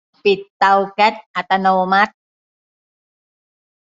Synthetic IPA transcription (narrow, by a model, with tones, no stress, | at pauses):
pi˨˩t̪ːa˧wkɛ˦˥t̪̚ʔa˨˩t̪a˧noː˧ma˦˥t̪̚